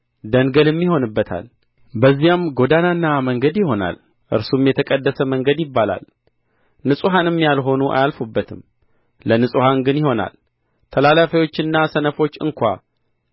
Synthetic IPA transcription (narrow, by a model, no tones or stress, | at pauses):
d̪əŋɡəlɨmːiho̞nɨbːət̪ʰa̰l | bəzːijamɡo̞d̪ananːaməŋɡəd̪jɪho̞na̰l | ʔɨ̰ɾsumjɛt̪ʰəkʼəd̪ːəsəməŋɡəd̪jɪbːala̰l | nɨsʼuɦanɨmːjalɦo̞nuʔa̰jalfobːət̪ʰɨm | lənɨsʼuhanɡɨnjɪho̞na̰l | t̪ʰəlalafəjo̞t͡ʃːɨnːasənəfo̞t͡ʃːɨ̰ŋkʰʷa̰